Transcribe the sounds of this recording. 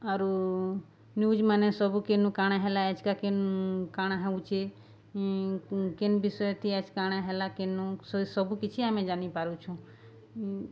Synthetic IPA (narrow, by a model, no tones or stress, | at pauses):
aɾu | njud͡ʒmanesɔbukenukaɽ̃aɦelaɛd͡ʒkakenkaɽ̃aɦeũt͡ʃʰe | kenbisɔjet̪ʰiɛd͡ʒkaɽ̃aɦelakenussɔbukit͡ʃʰiamed͡ʒanipaɾut͡ʃʰũ